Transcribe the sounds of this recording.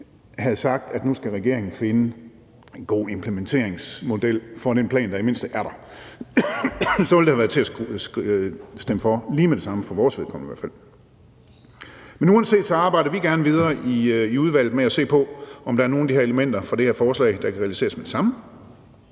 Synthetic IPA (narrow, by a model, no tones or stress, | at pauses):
hæð̞̩ˠsɑ̈ɡ̥̚d̥æd̥nusɡ̥æʁɛɡ̥e̝ɐ̰eŋn̩fe̝nə | enɡ̥o̝̰ːe̝mpʰləment͡sʰe̝̰ɐ̰eŋsmo̝d̥el̰fɒ̽ɾ̥enpʰlɛ̰ːnd̥ɑ̈ime̝n̰sd̥əʔæɐɾɑ̈ | sɒʋeld̥ehæʋæɐt͡sʰe̝æ | sd̥eməfɒliːmed̥e̝sɑ̈məfɒ̽ʋɒːsʋe̝ðˠkʰɒ̽mn̩iʋæ̰ɐ̰fæl̰ | menuːɛnse̝̰ːd̥sɒ̽ɑ̈ːb̥ɑ̈ɪ̰ɾ̥ɐʋiɡ̥æɐnəʋið̞ˠɐːʔiiuð̞ˠʋæl̰d̩ˠmeæse̝̰ːpʰɒ̽ɒ̽md̥ɑ̈æɐno̝ːn̩d̥ihæɐ̰eləmen̰d̥ɐfɒd̥e̝heɐ̰fɒːslɛ̰ɪd̥ɑ̈kʰæʁɛælise̝̰ːɐsmed̥e̝sɑ̈mə